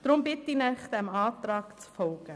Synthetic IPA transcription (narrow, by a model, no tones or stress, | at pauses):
d̥ɾʊmbɪtinɛχd̥̪ɛmɑːt̪ɾɑːkt͡sfɔlɡ̥ə